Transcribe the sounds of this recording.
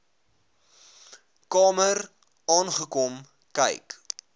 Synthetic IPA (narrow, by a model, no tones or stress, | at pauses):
kɑːmər | ɑːnχəkɔm | kɛ̰jk